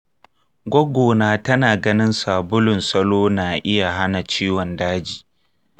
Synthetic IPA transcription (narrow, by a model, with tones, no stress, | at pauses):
ɡʷɔ˦ɡʷoː˨naː˦tɐ˦naː˨ɡɐ˦nɪ˦nsa˨bʊ˦lʊ˨nsɐ˦loː˦naː˨ʔɪ˦ja˨ɦa˦na˨t͡ʃiː˦wɔ˨ndaː˦d͡ʒi̥ː˨